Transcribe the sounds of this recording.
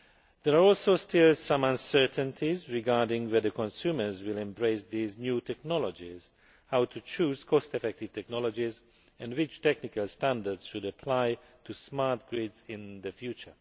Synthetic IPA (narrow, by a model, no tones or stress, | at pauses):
ðɛɹaɔlˠsoʊstʰɪlsʌ̃mãnsɜ˞tə̃ntʰizɹɪɡaːɹdɪ̃ŋwɛðəkʰɔ̃nsumə˞zwɪlɛ̃mbɹeɪsðiznjuːtʰɛk̚nɔlɔd͡ʒiz̥ | hawtʰut͡ʃuːz̥kʰɔstɛfɛk̚tɪv̥tɛk̚nɔlɔd͡ʒiz | ɛ̃ndwɪt͡ʃtɛknɪkalˠstæ̃ndə˞dz̥ʃudəpʰlaɪ | tʰusmaɹtɡ̥ɹidzɪ̃nðəfjut͡ʃə̰˞